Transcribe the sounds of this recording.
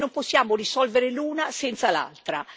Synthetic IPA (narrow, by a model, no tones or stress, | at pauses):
nomposːjaːmorisɔlveɾeluːnasɛnt̪sala̰lt̪ɾa